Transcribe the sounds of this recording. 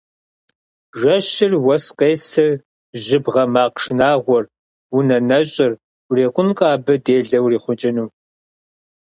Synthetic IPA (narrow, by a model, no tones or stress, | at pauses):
ʒɐʃɪrwɐsqʼeːsɨr | ʑɪbʁɐmaːqʂnaːʁʷɔr | wʊnɐnɐɕʼɪr | reːqʷʼʊnqʼaːbɨdeːɮɐwriːχʷʊt͡ʃʼɪnuː